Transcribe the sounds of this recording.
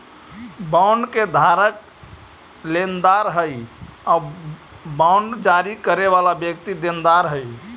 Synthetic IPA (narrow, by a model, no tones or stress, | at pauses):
baʊɳɖked̪ʱaɾək̚ | lend̪aɾɦəja | bãʊɳɖd͡ʒaɾikəɾeʋalabjəkt̪id̪end̪aɾɦəj